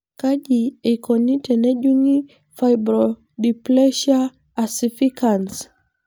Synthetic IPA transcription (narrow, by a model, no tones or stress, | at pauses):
kaʄiekɔnitɛnɛʄuŋi | fajbɾɔ | diplɛʃa | asifikans